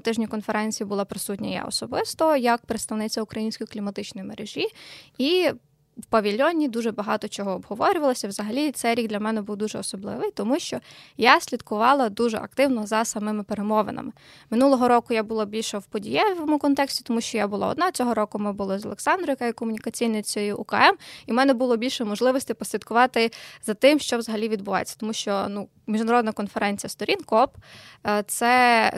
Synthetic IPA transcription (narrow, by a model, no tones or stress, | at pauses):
t̪ɪʒnʲikɔnfeɾɛnʲt͡sʲijibʊlˠɔpɾɪsutʲnʲɐja̰ɔ̰sɔbɪst̪ɔjɐk̚pɾɪt̪st̪ɐwnɪt͡sʲɐʊkɾɐjinʲsʲkɔjiklʲimɐt̪ɪt͡ʃnɔjimeɾeʒʲii | wpɐʋʲilʲɔnʲid̪uʒɛbɐɦɑt̪ɔt͡ʃɔɦɔːbɦɔʋɔɾʲʊʋɐlˠɔsʲɐwzɐɦɐlʲit̪sɛjɾʲiɡd̪lʲɐmɛnɛbuwd̪uʒɛɔsɔblˠɪ̰ʋɪjt̪ɔmuʃt͡ʃɔjasʲlʲid̪kʊʋɑlˠɐd̪uʒɛ̰ʔɐ̰k̚t̪ɪwnɔzɐsɐmɪmɪpeɾemɔʋḛnɐ̰mɪ | mɪnulˠɔɦɔɾɔkʊjabʊlˠabʲilʲʃɛwpɔdʲijɛʋɔmʊkɔnt̪ɛksʲtʲi̥t̪ɔmuʃt͡ʃɔjabʊlˠa̰ɔ̰d̪nɑt͡sʲɔɦɔɾɔkʊmɛbʊlˠɔzɔlˠeksɑnd̪ɾʊjɐkajɛkɔmʊnʲikɐt͡sʲijnɐt͡sʲɔjiʔʊkɐɛmimɛnɛbʊlˠɔbʲilʲʃɛmɔʒlˠɪʋɔsʲt̪ʲɪpɔsʲlʲid̪kʊʋɑt̪ɪzɐt̪ɪmʃt͡ʃɔʋzɐɦɐlʲiʋʲid̪̚bʊʋɑ̰jet͡sʲːɐ̥t̪ɔmuʃt͡ʃɔnu | mʲiʒnɔɾɔd̪nɐkɔnfeɾɛnʲt͡sʲijɐst̪ɔɾʲinkɔpt̪sɛ